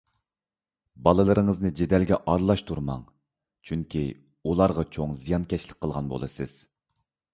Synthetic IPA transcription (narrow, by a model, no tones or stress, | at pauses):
bɑlˠɨlˠɨɾɨŋəznɨd͡ʒed̪ɛlɡʲɛʔɑɾlˠɑʃt̪ʰuɾmɑ̰ŋ | t͡ʃʰyŋkʲʰi | ulˠɑɾʁɑt͡ʃʰoŋzijɑnkʲʰɛʃlɪk̚ʲqʰːəlˠʁɑnbo̰lˠɨsɨz̥